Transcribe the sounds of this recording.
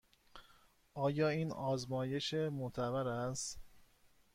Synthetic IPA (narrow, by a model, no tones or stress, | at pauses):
ɒːjɒːiːnɒːzmɒːje̞ʃemot̪ʰævæɾæst̪